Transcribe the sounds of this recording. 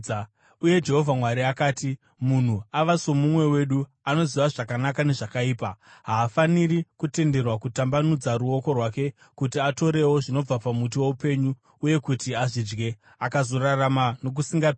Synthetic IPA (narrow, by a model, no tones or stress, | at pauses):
uje̞d͡ʒe̞ɦo̞vʱamwaɾiakaːti | mun̤uaʋaso̞mumwe̞we̞ɗu | ano̞ziʋaʐakanakane̞ʐakaiːpaɦaːfaniɾikute̞nde̞rwakutambanud͡zaɾuo̞ko̞rwake̞ | kutiato̞ɾe̞wo̞ʐino̞b͡vapamut̬iwo̞upe̞ɲu | uje̞kutiaʐid͡ʒɡe̞ | akazo̞raramano̞k̬usiŋɡa